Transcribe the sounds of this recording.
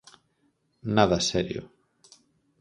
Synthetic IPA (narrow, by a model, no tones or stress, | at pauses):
naðasɛɾjo̰